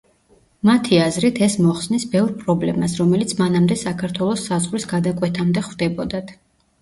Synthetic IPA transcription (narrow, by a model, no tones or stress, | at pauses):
mat̪ʰiazɾit̪ʰɛsmɔχsnisbɛvɾpʼɾɔblɛmasɾɔmɛlit̪sʰmanamd̪ɛsakʰaɾt̪ʰwɛlˠɔsːazʁɾisɡad̪akʼwɛt̪ʰamd̪ɛχwd̪ɛbɔd̪at̪ʰ